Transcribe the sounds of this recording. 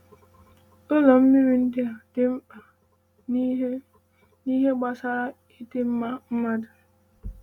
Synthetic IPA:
o˦lɔ˨m̩˦mi˦ɾi˨n̩˦dɪ˦a˨dɪ˦m̩˦a˨˦ | ni˦ɦe˦ɡ͡ba˨sa˦ɾa˦ | i˦dɪ˦m̩˦ma˦m̩˦ma˦dʊ˨

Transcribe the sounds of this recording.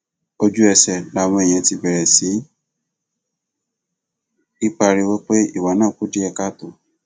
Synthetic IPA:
o˧d͡ʒu˦ɛ˧sɛ˨la˨w̃ɔ̃˧ɛ˨j̃ɛ̃˧ti˧bɛ˨ɾɛ˨si˨˦ | i˦k͡pa˧ɾi˧wo˦k͡pe˦i˦˨wa˨˦nãː˦˨k͡pu˦di˦ɛ˧ka˦to˦˨

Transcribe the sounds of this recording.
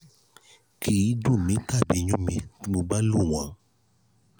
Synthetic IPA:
kʰi˦i˨˦du˦˨mĩ˨˦ta˦˨bi˨ɲũ˦mĩ˧ti˦mo˧ɡ͡ba˦lu˦˨w̃ã˨

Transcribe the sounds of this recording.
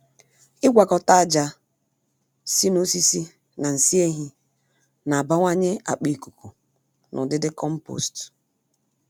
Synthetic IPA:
ɪ˦ɡʷa˨kɔ˨ta˦a˦d͡ʒa˦ | si˦no˦si˦si˦ | na˨n̩˨si˦e˦ɦi˦ | na˨a˨ba˦ŋʷa˦ɲɪ˦a̰˨k͡pi˦˨ku˨ku˨ | nʔʊ̰˨dɪ˦dɪ˦kɔ˦m̩˦po̰˨st

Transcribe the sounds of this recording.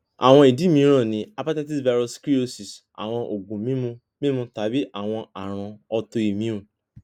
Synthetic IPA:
a̰˨w̃ɔ̃˧˦i˨di˦mĩ˧˦ɾ̃ɔ̃˦˨nĩ˨˦a˨pa˦ta˦ti˦sva˧ɾo˧skɾi˦o˦si˨s | a̰˨w̃ɔ̃˧ʔo˨ɡũ˨mĩ˦mũ˧ | mĩ˦mũ˧ta˨˦bi˦ʔa˨w̃ɔ̃˧a˨ɾ̃ã˨ɔ˧to˧i˨mĩ˨˦ɾũ˨

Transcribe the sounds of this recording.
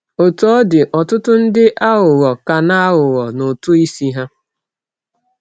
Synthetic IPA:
o˨tɔ˨˦dɪ˨ʔɔ˨tʊ˦tʊ˦n̩˦dɪ˦ʔa˦ɦʊ˨ɣɔ˨ka˨na˦ɦʊ˨ɣɔ˨no˨tʊ˦i˦si˦ɦa˦

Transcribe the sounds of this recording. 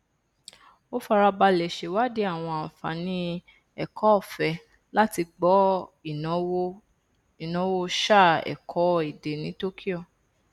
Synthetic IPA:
o˦fa˧ɾa˧ba˧lɛ˨ʃe˨wa˦di˦a˦˨w̃ɔ̃˧ã˨fa̰˨˦nĩ˦ | ɛ˨kʰɔ˨˦ɔ˦˨fɛ˧ | la˦ti˧ɡ͡bɔ˦ĩ˨˦w | i˨nɔ̃˨˦wo˦ʃa˦˨ɛ̰˨kʰɔ˨˦i˨de˨nĩ˨˦to˦kʰi˦ɔ˦˨

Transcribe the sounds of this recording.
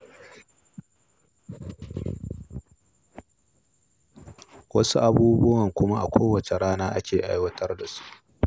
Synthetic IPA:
wɐ˦su˦ʔa˦buː˦bʊ˦wɐ˨ŋkʷʊ˦ma˦ʔa˨kʷoː˦wɐ˨t͡ʃe˨ɽaː˦naː˦ʔa˦kʲʰeː˨ʔa̰˦jwɐ˦tʰɐ˦rda˨su̥˦ʔ

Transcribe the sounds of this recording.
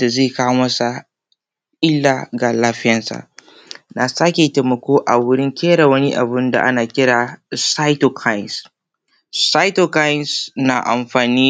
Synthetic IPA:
da˨zeː˦˨kaː˦wmɐ˦sa˨ | ʔɪ˦lːaː˨ɡa˨laː˦ɸɪ˦jɐ˦nsa̰˨ʔ | na˨sa˦kʲe˨teː˨mɐ˨kʷoː˦ʔa˨wʊ˦ɽɪ˦ŋkʲeː˦ɽa˨wɐ˦ni˦ʔa̰˨bʊ˦nda̰˨ʔa˦naː˨kʲɪ˦ɽaː˨sa˦jto˨kʰa˦jɪ˨ns | sa˦jto˨ka˦jɪ˦nsna˨ʔa̰˨mɸaː˨niː˦

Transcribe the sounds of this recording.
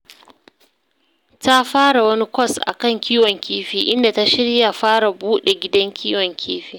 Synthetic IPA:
ta˦ɸaː˦ɽa˨wɐ˦ni˦kʷɔ˦˨sʔa̰˨kɐ˦˨ŋkʲiː˦wɔ˨ŋkʲiː˦ɸiː˨ʔɪ˦nda˨ta˦ʃɪ˦ɽja˨ɸaː˦ɽa˨buː˦ɗe˨ɡʲɪ˦dɐ˦ŋkʲʰiː˦wɔ˨ŋkʲʰiː˦ɸiː˦˨

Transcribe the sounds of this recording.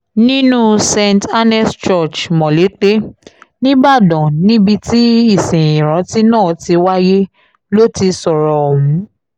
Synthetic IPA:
nĩ˦nũ˦sɛ˧nta˦nɛ˦st͡ʃɔ˦˨t͡ʃmɔ̃˨le˨˦k͡pe˦nĩ˦ba˦˨dɔ̃˨nĩ˦bi˧ti˦i˦˨sĩ˨ĩ˨ɾ̃ã˨˦ti˦nãː˦˨ti˧wa˦je˦ | lo˦ti˧sɔ˨ɾɔ˨hũ˨˦

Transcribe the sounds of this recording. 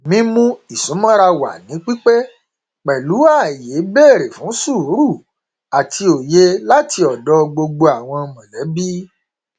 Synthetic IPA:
mĩ˦mũ˦i˨sũ˨˦mɔ̃˦ɾa˧wa̰˨nĩ˨˦k͡pi˦k͡pe˦ | k͡pɛ˨lu˨˦a˦˨je˨˦bɛː˦˨ɾe˨fũ˨˦su˦˨˦ɾu˦˨ | a˨tʰi˧o˨je˧la˦tʰi˧ɔ˨dɔ˨˦ɡ͡bo˧ɡ͡bo˧a˨w̃ɔ̃˧mɔ̃˨lɛ˨˦bi˦

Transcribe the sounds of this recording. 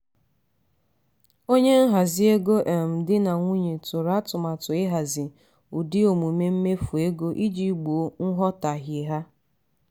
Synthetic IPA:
o˦ɲe˦ŋ̩˦ɦa˨zɪ˦e˦ɡo˦ʔe˨m̩˨dɪ˦na˨ŋʷu˦ɲe˨tʊ˨ɾa˦tʊ˨ma˨tʊ˨ɪ˦ɦa˨zɪ˨ | u˨dɪ˦o˨mu˨me˦m̩˦me˦fu˨e˦ɡo˦ʔi˦d͡ʒi˦˨ɡ͡bo˨o˦ŋ̩˦ɦɔ˦ta˨ɦje˨ɦa˦

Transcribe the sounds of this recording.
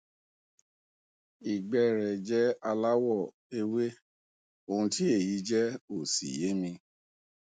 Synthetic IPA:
i˨ɡ͡bɛ˧˨ɾɛ˨d͡ʒɛ˦a˧la˦wɔ˦˨ | e˧we˦ | o˧˨ũ˧ti˦e˦˨ji˨˦d͡ʒɛ˦o˨sḭ˨je˨˦mĩ˧

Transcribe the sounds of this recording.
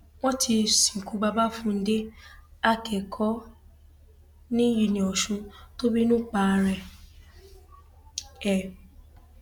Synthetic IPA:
w̃ɔ̃˦ti˧sĩ˨ku˨˦ba˧ba˦fũ˦˧n̩˦de˦a˦kʰɛ˨kʰɔ˦ | nĩ˦ji˨nĩ˨ɔ˨ʃũ˧to˦bi˦nũ˦k͡pa˧ɾɛ˧ | ɛ˨

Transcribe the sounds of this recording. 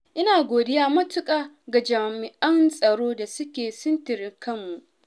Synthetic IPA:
ʔɪ˦naː˨ɡʷoː˨dɪ˦jaː˦mɐ˦tʊ˦kʼaː˨ | ɡa˨d͡ʒaː˨mɪ˨ʔɐ˦nsʼɐ˨ɽoː˦da˨sʊ˦kʲeː˨sʊ˦ntɪ˨ɾɪ˦ŋkʰɐ˦mːu˨ʔ

